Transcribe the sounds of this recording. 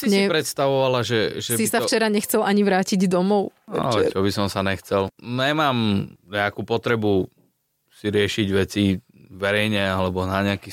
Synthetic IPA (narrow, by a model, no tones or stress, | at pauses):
siɲsɛipɾɛt̪st̪aʋɔʋalaʒɛʒɛisaft͡ʃɛɾaɲɛxt͡sɛlʔaɲiʋɾaːciɟd̪ɔmɔʊ̰a̰lɛt͡ʃɔbisɔmsanɛxt͡sɛlɲɛmaːmɲɛakuːpɔt̪ɾɛbu | siɾɪɛʃiɟʋɛt͡si | ʋɛɾɛjɲɛalɛbɔnaɲɛaki